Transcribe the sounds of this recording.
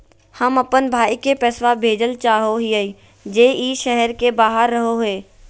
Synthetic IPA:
həmɐpənbʱaːikepɛːswabʱeːd͡ʒəlt͡ʃaːɦoɦiəi | d͡ʒeːiːʃɛɦɛɾkebaːɦəɾːəɦoɦeː

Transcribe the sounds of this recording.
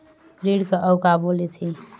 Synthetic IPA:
ɾiɽkeʔəʊkabolet̪ʰi

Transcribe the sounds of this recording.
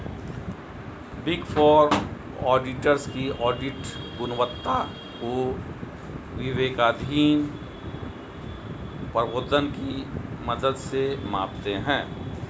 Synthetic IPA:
bɪɡfʰɔːɾ | ɔːɖɪʈəɾskiɔːɖɪʈɡʊnʋət̪ːa | ko | ʋɪʋeːɡaːd̪ʱiːn | pəʋoːd̪ʱənkimɐd̪əd̪semã̰ːpt̪eɦɛ̃ː

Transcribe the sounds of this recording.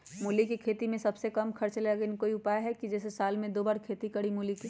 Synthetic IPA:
muːlikikʰeːt̪imẽsɐbsekɐmkʰɐɾt͡ʃleɡenkoːiʊpaːjɦɛkid͡ʒɛːsesaːlmẽd̪oːbaːɾkʰeːt̪ikɐɽimuliki

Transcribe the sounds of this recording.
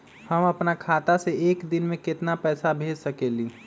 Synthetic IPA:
hɐmɐpnakʰaːt̪aseeːkd̪ɪnmẽkɪt̪napɛːsabʱeːd͡ʒsɐkeːliː

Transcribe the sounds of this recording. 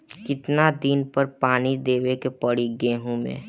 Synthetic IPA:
kɪt̪nad̪inpəɾpaːnid̪eːwekepɐɽiɡẽːɦũmḛ̃ː

